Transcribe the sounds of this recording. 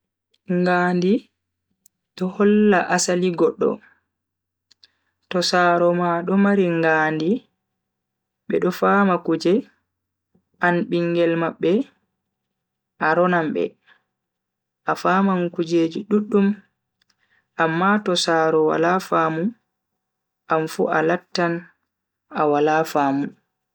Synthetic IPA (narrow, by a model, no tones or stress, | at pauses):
ŋɡaːndi | ɗɔhɔlːaʔasaliɡɔɗːɔ̰ | tɔsaːɾɔmaɗɔmaɾiŋɡaːndi | ɓɛɗɔfaːmakud͡ʒɛ | ʔanɓiŋɡɛlmaɓːɛ | ʔaɾɔnambɛ̰ | ʔafamankud͡ʒeːd͡ʒiɗuɗːum | ʔamːatɔsaɾɔwa̰lafamu | ʔamfṵʔalatːan | awalafaːmu